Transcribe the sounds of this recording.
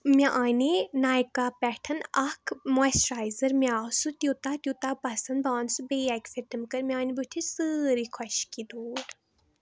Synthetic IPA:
mʲaʔaːninaːjkaːpʲɛʈʰənɐkʰmuɛsɾaːjzəɾmjaːsut̪ʲuːt̪at̪ʲut̪aːpɐsɨnbaːnsubeːakseʈɨmkəɾmʲiaːnibut̪ʰisɨɾikʰɔʃkid̪uːɖ

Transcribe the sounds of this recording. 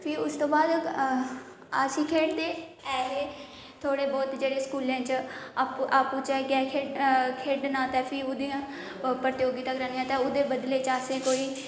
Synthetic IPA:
pʰiːʊst̪õːbaːd̪ | asĩːkʰeːɽt̪eːɛːɦeː | t̪ʰoːɽeːbɔːt̪d͡ʒeːɽeːskuːlãːt͡ʃapʔaːpũːt͡ʃakɛ̃ːkʰeːkʰeːɖnãːt̪ɛ̃ːpʰiːʊd̪ijãː | pɾət̪joːɡit̪əkɾəːnijãːt̪ɛ̃ːʊd̪eːbəd̪leːt͡ʃaːsẽːkoːiː

